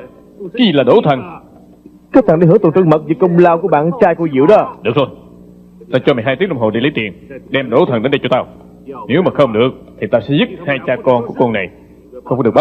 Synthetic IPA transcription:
ki˨laː˨˩ɗo˨˦t̪ʰə˨˩n | kəː˦˥t̪̚a˨nɗe˧˩ɦɨ˧˥˦t̪o˨˩ntɨ̰˧˦ŋmə˨˩k̚vi˨˩kə˧wŋ͡mlaː˧wku˧˩əɓa̰ː˧˨nt͡ɕaː˧jko˧zḭ˧˨əwɗɔ˨˦ɗɨ˨˩əkt̪ʰo˧j | t̪aː˧t͡ɕɔ˧aː˨˩jɦa˧t̪i˦˥k̚lə˧ŋ͡mho˨˩lḭ˧˦li˨˦t̪ḭ˨˩ənɗɛ˧mɗo˨˦t̪ʰə˨˩nɗe˨˦nɗə˧jt͡ɕɔ˧t̪aː˧w | ne˨˦wmaː˨˩xə˧wŋ͡mɗɨ˨˩ək̚t̪ʰi˨˩t̪aː˧sɛ̰˧˥zɨ˦˥t̚haː˧jt͡ɕaː˧kɔ˧nku˧˩kɔ˧nːa˨˩j | xə˧ŋ͡ma˧˦ɗɨ˨˩kɓa˦

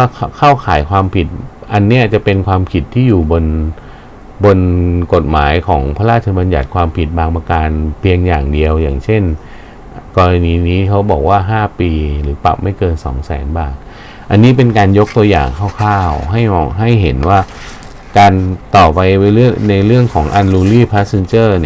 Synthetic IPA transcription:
aː˥˩kʰaː˥˩wkʰaː˩˦jkʰwaː˧mpʰi˨˩t̪̚ʔa˧nːi˦˥ɐt͡ɕa˨˩pe˧nkʰwaː˧mpʰi˨˩t̪ʰːiː˥˩juː˨˩bo˧n | bo˧nko˨˩t̪̚ma̰ː˩˦jkʰɔː˩˦ŋpʰa˧laː˥˩t͡ɕʰa˧ba˧nja̰˨˩t̪̚kʰwaː˧mpʰi˨˩t̪̚baː˧ŋma˧kaː˧npʰi˧əŋjaː˨˩ŋdi˧əwjaː˨˩ŋt͡ɕʰe˥˩n | kɔː˧ɾa˧niː˧niː˦˥kʰa˦˥wbɔː˨˩k̚waː˥˩ɦaː˥˩piː˧ɾɯː˩˦pa̰˨˩p̚ma˥˩jkɤː˧nsɔ̰ː˩˦ŋsɛ̰ː˩˦nbaː˨˩t̪̚ | ʔa˧nːiː˦˥p̬e˧nkaː˧njo˦˥k̚t̪u˧ɐja̰ː˨˩ŋkʰa˥˩wkʰaː˥˩wɦa˥˩jmɔ̰ː˨˩k̚ɦa˥˩jɦe˩˦nwaː˥˩ | kaː˧nt̪ɔː˨˩pa˧jwa˦˥lɯ˥˩əna˧jɾɯ˥˩əŋkʰɔː˩˦ŋʔa˧nluː˧liː˥˩pʰa˦˥se˧nt͡ɕɤː˥˩ni˧˩

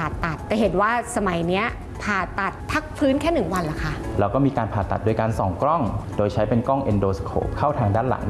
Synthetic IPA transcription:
aː˨˩t̪ːa˨˩t̪ːɛː˨˩ɦe˨˩˦nwaː˥˩sa˧ma˨˩˦jni˦˥ɐ | pʰaː˨˩t̪ːa˨˩t̪̚pʰːa˦˥k̚pʰɯː˦˥nkʰɛː˥˩nɯ˨˩ŋwa˧nla˨˦kʰa˦˥˩ɾɛː˧wkɔː˥˩miː˧kaː˧npʰaː˨˩t̪ːa̰˨˩t̪̚doː˧jkaː˧nsɔː˩˦ŋkɾɔ˥˩ŋdoː˧jt͡ɕʰa˦˥jpe˧nkɔ˥˩ŋʔe˧ndoː˧skʰo̰ː˧˩p̚kʰaː˥˩wt̪ʰaː˧ŋdaː˥˩nla̰˨˩˦ŋ

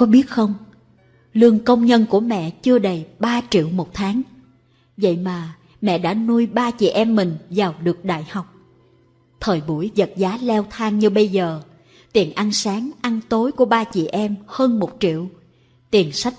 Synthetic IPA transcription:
kɔ˨˦ɓi˦˥ət̚xə˧wŋ͡m | lɨ˧əŋkə˧wŋ͡mɲə˧nku˧˩əmɛ̰˧˨t͡ɕɨ˧əɗə˨˩jɓaː˧t͡ɕḭ˧˨əwmo˨˩t̚t̪ʰaː˨˦ŋ | və̰˧˨jmaː˨˩ | mɛ̰˧˨ɗa̰ː˧˥nu˧jɓaː˧t͡ɕḭ˧˨ʔɛ˧mːï˨˩ŋ̟zaː˨˩wɗɨ˨˩ək̚ɗa̰ː˧˨jha˨˩wk͡p̚ | t̪ʰəː˨˩jɓu˧˩əjzə˨˩t̚zaː˨˦lɛ˧wt̪ʰaː˧ŋɲɨ˧ɓə˧jzəː˨˩ | t̪i˨˩ənʔa˧nsaː˨˦ŋʔa˧nt̪o˨˦jku˧˩əɓaː˧t͡ɕḭ˧˨ʔɛ˧mhəː˧nmo˨˩t̚t͡ɕḭ˧˨əw | t̪i˨˩ənsa˦˥k̟̚

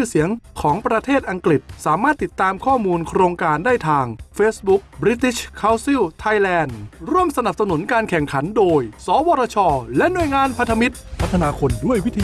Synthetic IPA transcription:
ɯ˥˩si˩˦əŋkʰɔː˩˦ŋpɾa˧t̪ʰeː˥˩t̪̚ʔa˧ŋkɾi˨˩t̪̚saː˩˦maː˥˩t̪ːi˨˩t̪ːaː˧mkʰɔː˥˩muː˧nkʰɾoː˧ŋkaː˧ndaː˥˩jt̪ʰaː˧ŋfeː˦˥s̚bu˦˥k̚bɾi˦˥t̪i˦˥ɕkʰaː˦˥wsi˥˩wt̪ʰa˧jlɛː˧nɾu˥˩əmsa˧na˨˩p̚sa˧nu˩˦nkaː˧nkʰɛ˨˩ŋkʰa˩˦ndoː˧jsɔː˩˦wɔː˧ɾaː˧t͡ɕʰɔː˧lɛ˦˥ʔnu˨˩əjŋaː˧npʰa˧nt̪ʰa˧mi˦˥t̪̚pʰa˦˥t̪ʰːa˧naː˧kʰo˧ndu˥˩əjwi˦t̪ʰiː˧

